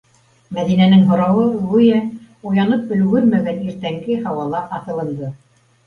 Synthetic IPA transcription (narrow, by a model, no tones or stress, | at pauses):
mæðinænɘŋɦŏɾɑwɤʁujæ | ujɑnɤp̚ɵ̆l̆ɡɵɾmæɡæniɾt̪æŋɡɘhɑwɑlˠɑʔɑθɤ̆lˠɤ̆nd̪ɤ